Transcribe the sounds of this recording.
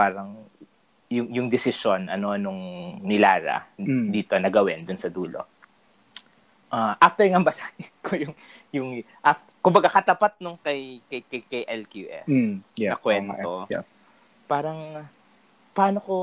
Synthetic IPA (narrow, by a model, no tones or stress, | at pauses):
paːɾɐŋ | jʊŋjʊŋd̪ɪsɪso̞nɐ̰no̞nʊŋnɪlaːɾɐ̰d̪iːt̪onɐɡɐwɛnd̪ʊnsɐd̪uːlo̞̰ | ʔaʔaft̪ɛɹŋɐmbɐsaɪkʰojʊŋjʊŋ | ʔaftkʊmbɐɡakɐt̪ɐpat̪̚nʊŋkɐjkɐjkɐjkɐjʔɛlkjuːʔɛ̰ɐkwɛnt̪o | paːɾɐŋ | pɐaːnoko